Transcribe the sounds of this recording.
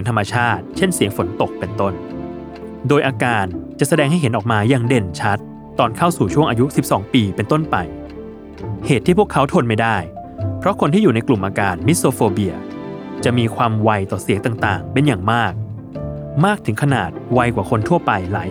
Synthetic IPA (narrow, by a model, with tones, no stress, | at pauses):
i˩˦ŋt̪ʰmːa˧t͡ɕʰaː˥˩t̪̚t͡ɕʰe˥˩nsi˨˩˦əŋfo˩˦nt̪o˨˩k̚pe˧nt̪o˥˩n | doː˧jʔaː˧kaː˧nt͡ɕa˨˩ʔsa˧dɛː˧ŋha˥˩jɦe˩˦nʔɔː˨˩k̚maː˧jaː˧ŋde˨˩nt͡ɕʰa˦˥t̪ː | ɔː˧nkʰa˥˩wsuː˨˩t͡ɕʰu˥˩ŋʔaː˧ju˦˥si˨˩p̚sɔː˩˦ŋpiː˧pe˧nt̪o˥˩npa˧j | heː˨˩t̪ʰːiː˥˩pʰəkʰːa˦˥wt̪ʰo˧nma˥˩jdaː˥˩j | pʰɾɔ˦˥kʰo˧nt̪ʰiː˥˩juː˨˩na˧jklu˨˩mʔaː˧kaː˧nmi˦˥t̪soː˧foː˧bi˧ɐ | t͡ɕa˨˩ʔmiː˧kʰwaː˧mwa˧jt̪ɔː˨˩si˨˩˦ŋt̪aː˨˩ŋt̪aː˨˩ŋpe˧njaː˨˩ŋmaː˥˩k̚ | maː˥˩k̚t̪ʰɯ˩˦ŋkʰa˧na̰ː˨˩t̪̚wa˧jkwaː˨˩kʰo˧nt̪ʰu˥˩ɐpa˧jlaː˩˦